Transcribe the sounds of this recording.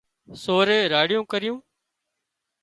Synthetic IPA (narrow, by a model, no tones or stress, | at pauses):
soːɾeːɾaːɽɪjũːkəɾɪjũː